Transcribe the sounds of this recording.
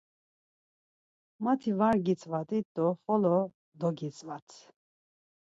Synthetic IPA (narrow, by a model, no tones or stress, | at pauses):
mat̪ʰivaɾɡit͡sʼvat̪ʼid̪ɔχɔlɔ | d̪ɔɡit͡sʼvat̪ʰ